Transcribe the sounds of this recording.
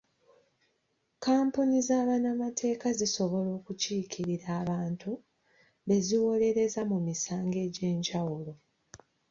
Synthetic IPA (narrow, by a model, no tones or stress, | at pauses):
kaːmpunizaːβanamatʰe̞ːkaziso̞βo̞lo̞ːkuciːciɾiɾaːβaːntʰu | βe̞ziwo̞le̞ɾe̞zamumisaːŋɡe̞ːɟe̞ːɲɟawulo̞